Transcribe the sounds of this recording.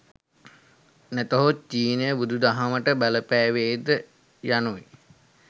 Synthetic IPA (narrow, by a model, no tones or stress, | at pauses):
næt̪əɦot͡ʃiːnəjəbud̪ud̪aɦaməʈəbæləpæːʋeːd̪ə | januʋi